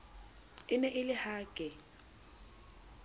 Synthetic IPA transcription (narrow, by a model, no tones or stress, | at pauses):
ɪnɛʔɪlɪhaːkʼɛ